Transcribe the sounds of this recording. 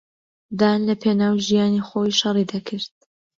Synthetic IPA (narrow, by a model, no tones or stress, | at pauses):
d̪aːnlɐpʰeːnaːwʒijaːnixoːjʃɐrˤid̪akʰɨɾd̪̚